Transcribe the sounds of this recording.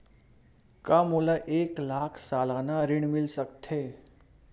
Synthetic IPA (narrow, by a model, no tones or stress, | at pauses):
kamulaʔeklakʰsalanaɾiɳmilsəkt̪ʰe